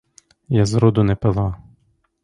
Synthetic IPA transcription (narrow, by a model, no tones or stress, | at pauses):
jazɾɔd̪ʊnɛpelˠɑ